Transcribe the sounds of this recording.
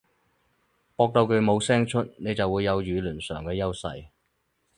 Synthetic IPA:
pɔː˧k̚t̪o˧wkɵ˨˧ɥmo˨˧wsɛː˥ŋt͡ʃʰɵ˥t̚ne˨˧jt͡sɐ˨wuː˨˧jːɐ˨˧wjyː˨˧lyː˨˩nsœ̰ː˨˩ŋkɛː˧jɐ˥wsɐ̰˧j

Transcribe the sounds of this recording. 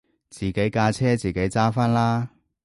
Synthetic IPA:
t͡siː˨˩ke˨˥jkaː˧t͡sʰɛː˥t͡siː˨˩ke˨˥jt͡saː˥faː˥nlaː˥

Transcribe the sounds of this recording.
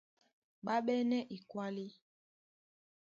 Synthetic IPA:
ɓa˦ɓɛ˦nɛ˦ʔi˨kwa˦li˦

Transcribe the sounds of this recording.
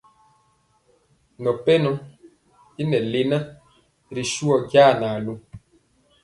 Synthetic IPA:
nɔ˨pɛ˦nɔ˨˦ | i˦nɛ˨le˨na˦ | ɾi˨ʃu˦ɔ˨ɡja˦˨naː˨lu˨

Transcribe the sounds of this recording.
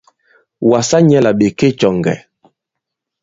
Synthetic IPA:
wa˨sa˦ɲɛ˦la˨ɓe˨ke˦t͡ʃɔ˨ŋɡɛ̰˨

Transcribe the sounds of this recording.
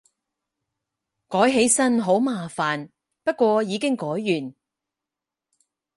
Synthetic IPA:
kɔː˨˥jɦe˨˥jsɐ˥nɦo˨˥wmaː˨˧faː˨n | pɐ˥t̚kʷwɔː˧jiː˨˧kɪ˥ŋkɔː˨˥jːyː˨˩n

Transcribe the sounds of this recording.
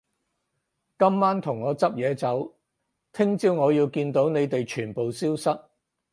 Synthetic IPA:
kɐ˥mːaː˥nt̪ʰʊ˨˩ŋːɔː˨˧t͡sɐ˥p̚jɛː˨˧t͡sɐ˨˥w | t̪ʰɪ˥ŋt͡siː˧wŋɔː˨˧jiː˧wkiː˧nt̪o˨˥wne˨˧jt̪e˨jt͡ʃʰyː˨˩npo˨wsiː˥wsɐ˥t̚

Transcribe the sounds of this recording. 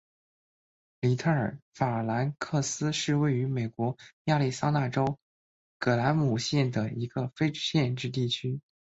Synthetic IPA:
li˨˩t̪ʰɤ˥˩ə˞˨˩fa˨˩la˧˥nkʰɤ˥˩sɹ̩˥ʂɻ̩˥˧we˥˩ɪy˧˥me˨˩ɪkwɔ˧˥ja˥˧li˥˩sa˥ŋna˥˩ʈ͡ʂo˥ʊ | kɤ˨˩la˧˥nmu˨˩ɕjɛ˥˩nd̪ə˩i˧˥ɡ̥ə˧fe˥ɪʈ͡ʂɕjɛ˥˧nʈ͡ʂɻ̩˥˧t̪̬i˥˩t͡ɕʰy˥

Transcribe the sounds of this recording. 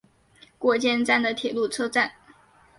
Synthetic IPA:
kwɔ˥˩t͡ɕjɛ˥nt͡sa˥˩nd̪ə˩t̪ʰjɛ˨˩lu˥˩t͡sʰɤ˥ʈ͡ʂa˥˩n

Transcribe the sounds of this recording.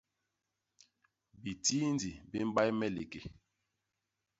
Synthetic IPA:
bi˨ti˦ndi˨bi˦m˦ɓa˦jmɛ˦lḛ˨ke˨

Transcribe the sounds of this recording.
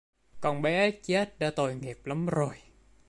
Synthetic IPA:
kɔ˨˩nɓɛ˨˦t͡ɕe˦˥t̚ɗa̰ː˧˥t̪o˨˩jŋɛ˨˩əp̚la˨˦mzo˨˩j

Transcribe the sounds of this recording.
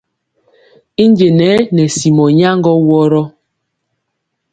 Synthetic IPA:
i˦nd͡ʒe˨nɛ˨˦nɛ˨si˨mɔ˨ɲa˦ŋ˦ɡɔ˦wɔ˦ɾɔ˦

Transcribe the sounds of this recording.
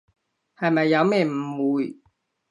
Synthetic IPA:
hɐ˨jmɐ˨jːɐ˨˧wmɛː˥˩m̩˨muː˨˧j

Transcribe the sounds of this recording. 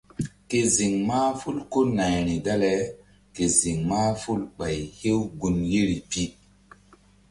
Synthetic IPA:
ke˨zi˨ŋmaː˦fu˦lko˦na˨jɾi˨da˦le˨˦ | ke˨zi˨ŋmaː˦fu˦lɓa˨jhe˦wɡu˨nje˦ɾi˨pi˦

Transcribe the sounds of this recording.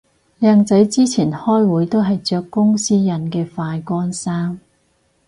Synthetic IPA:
lɛː˧ŋt͡sɐ˨˥jt͡siː˥t͡sʰiː˨˩nhɔː˥jwuː˨˥jt̪o˥wɦɐ˨jt͡ʃœː˧kːʊ˥ŋsiː˥jɐ˨˧˥nkɛː˧faː˧jkɔː˥nsaː˥ŋ

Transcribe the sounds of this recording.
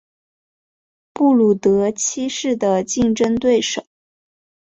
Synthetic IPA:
pu˥˩lu˨˩t̪ɤ˧˥t͡ɕʰi˥ʂɻ̩˥˩d̪ə˩t͡ɕi˥˧ŋʈ͡ʂə˥ŋt̪we˥˩ɪʂo˨˩˦

